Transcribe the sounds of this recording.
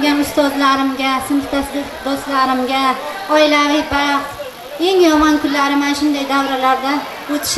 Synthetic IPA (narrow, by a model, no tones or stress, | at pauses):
ɡʲanʊst̪ɒzlaɾɪmɡʲasɪmɨχt̪ʰasd̪ɪ | d̪ost̪laɾɪmɡʲa | ɒɪlavɪbaqt̪ | e̞ŋjɒmɒnkʰʊnlaɾɪmanʃʊnd̪ajd̪awɾalaɾd̪a | ot̪ʰɪ̥ʃ